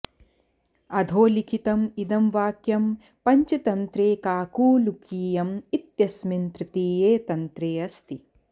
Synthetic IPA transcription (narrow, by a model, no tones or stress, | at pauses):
ɐd̪ʱoːlikʰit̪ɐmid̪ɐmʋaːkjɐm | pɐɲt͡ʃɐt̪ɐnt̪ɾeːkaːkuːlukiːjɐmit̪jɐsmint̪ɾɪt̪iːjeːt̪ɐnt̪ɾeːɐst̪i